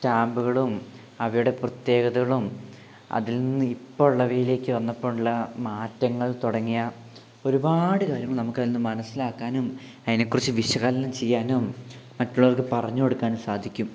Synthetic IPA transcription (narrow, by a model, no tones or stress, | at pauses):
taːmbuɣɐɭum | ɐʋɐjuɽe̞prɐt̪je̞ːɣɐðɐɣɐɭum | ɐ̰ðilnninːɨipːoːuɭːɐʋeːjile̞ːkːɨʋɐnːɐpːoːuɭːɐmaːtːɐŋːɐɭt̪oɽɐŋːijɐ | o̞ɾubaːɽɨkaːɾjɐŋːɐɭnɐmukːajilnːɨmɐnɐsːilaːkːaːnum | ɐðinekːurɐt͡ɕːɨʋiɕɐɣaːlɐnɐmt͡ɕe̞jːaːnumː | ɐtːuɭːɐʋɐrkɨpɐrɐɲːuo̞ɽukːaːnumsaːd̪ʱikʲːum